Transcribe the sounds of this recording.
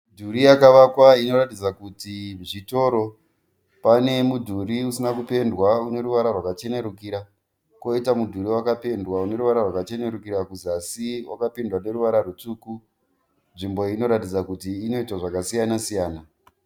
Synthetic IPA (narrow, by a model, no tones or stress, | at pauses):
dʱuɾijakaʋakwaino̞ratid͡zakutiʐito̞ɾo̞ | pane̞mudʱuɾiusinakupe̞ndwaune̞ɾuʋaɾarwakat͡ʃe̞ne̞ɾukiɾa | ko̞itamudʱuɾiwakape̞ndwaune̞ɾuʋaɾarwakat͡ʃe̞ne̞ɾukiɾakuzasiwa̰kapindwane̞ɾuʋaɾarut͡suku | nʐimbo̞ino̞ɾatid͡zakutiːno̞itwaʐakasijanasijaːna